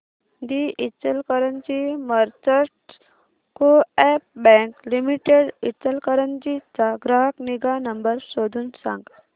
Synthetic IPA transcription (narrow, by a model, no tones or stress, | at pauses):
d̪iit͡sːəlkəɾənd͡ʑiməɾt͡səʈ | koɛp̚bɛ̃ŋklimiʈeɽit͡səlkəɾənd͡ʑit͡saɡɾaɦəkniɡanəmbəɾsod̪ʱuːnsã̰ŋɡ